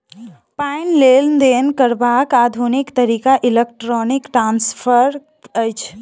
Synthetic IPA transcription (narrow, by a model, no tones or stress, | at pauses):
panleld̪enkəɾbakad̪ʱunikt̪əɾikaʔilek̚ʈɾɔnikʈɾaːnspʰəɾ | əjt͡ʃʰ